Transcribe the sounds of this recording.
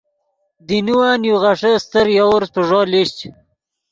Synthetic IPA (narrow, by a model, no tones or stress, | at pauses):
d̪inuwaːnjuʁaʂəst̪əɾjawɾspəʐoliɕt͡ɕ